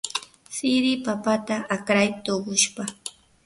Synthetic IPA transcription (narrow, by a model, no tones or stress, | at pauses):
sɪɾɪpapat̪aakɾajt̪oɢʊʃpa